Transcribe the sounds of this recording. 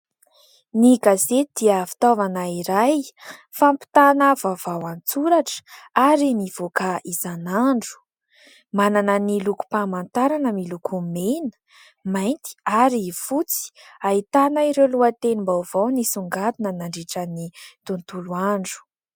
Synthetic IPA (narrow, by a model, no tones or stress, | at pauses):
niɡazet̪d̪̥iəfi̥t̪ovanaiɾaj | fampi̥t̪anəvavawant͡suɾaʈ͡ʂə̥aɾiniv̥okaizanaɳɖ͡ʐu̥ | mananəniluku̥pamant̪aɾanəmilukʰumenə̥ | majnt̪i̥aɾifut͡si̥ait̪anəiɾewluat̪enimbawv̥awnisuŋɡad̪inənaɳɖ͡ʐeʈ͡ʂənit̪unt̪uluaɳɖ͡ʐu̥